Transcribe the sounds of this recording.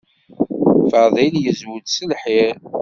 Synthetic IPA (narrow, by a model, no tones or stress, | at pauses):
fəðˤiljəzwʊd̪səlħɪɾ